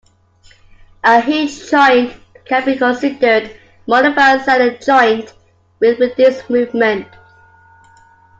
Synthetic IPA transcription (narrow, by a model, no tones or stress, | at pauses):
ʔəɦid͡ʒd͡ʒɔɪ̃nʔ | kʰə̃nbikə̃nsɪdəd | mɔnəvəzəɾəd͡ʒɔɪ̃nt | wɪðɪðɪsmʉːvmə̃nt